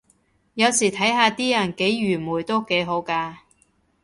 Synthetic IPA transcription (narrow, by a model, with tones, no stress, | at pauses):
jɐ˨˧wsiː˨˩t̪ʰɐ˨˥jɦaː˧t̪iː˥jɐ˨˩nke˨˥jɥyː˨˩muː˨˩jt̪o˥wke˨˥jɦo˨˥wkaː˧